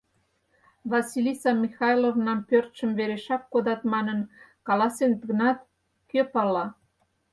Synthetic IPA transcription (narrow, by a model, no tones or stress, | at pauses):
βɑsilʲisɑmixɑjlovnɑmpørt̪ʃə̆mβeɾeʃɑkkod̪ɑt̪mɑnənkɑlɑsent̪ɡənɑt̪ | køpɑlːɑ